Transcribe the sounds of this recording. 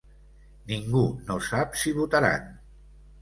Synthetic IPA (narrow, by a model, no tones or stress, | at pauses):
niŋɡunosapsiβut̪aɾa̰n